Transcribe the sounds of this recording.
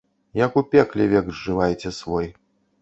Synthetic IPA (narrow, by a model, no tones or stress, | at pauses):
jɐkupʲɛklʲɛvʲɛɡʐɨvajt͡sʲɛsvɔj